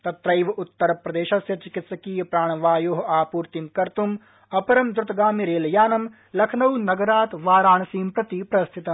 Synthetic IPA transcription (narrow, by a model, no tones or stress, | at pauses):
t̪ɐt̪ɾɐjʋɐʔut̪ːɐɾɐpɾɐd̪eːʃɐsjɐt͡ʃikɪt̪sɐkiːjɐpɾaːɳ̃ɐʋaːjoːɦaːpuːɾt̪imkɐɾt̪um | ɐpɐɾɐmd̪ɾʊt̪ɐɡaːmiɾeːljaːnɐm | lɐkʰnɐwnɐɡɐɾaːt̪ʋaːɾaːɳɐsiːmpɾɐt̪ipɾɐst̪ʰit̪ɐm